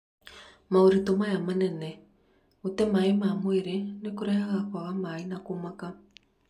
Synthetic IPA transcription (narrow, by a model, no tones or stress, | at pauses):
maoɾitomajamanɛnɛ | utɛmaemamweɾenekuɾɛhaɣakwaɣamainakomaka